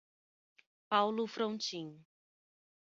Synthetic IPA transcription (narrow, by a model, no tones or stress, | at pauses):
pawlʊfɾõt͡ʃĩ